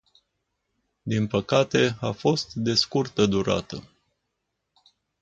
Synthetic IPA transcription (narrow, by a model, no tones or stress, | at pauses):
d̪inpəkat̪e̞afo̞st̪d̪e̞skurt̪əd̪uɾa̰t̪ə̰